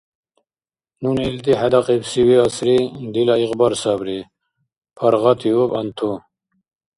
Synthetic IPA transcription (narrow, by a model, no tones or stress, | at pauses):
nunilt̪iɦad̪ɑqebsiwiasɾid̪ilaiqbaɾsɑbɾi | pʰaɾʁɑt̪ʰiobɐnt̪ʰo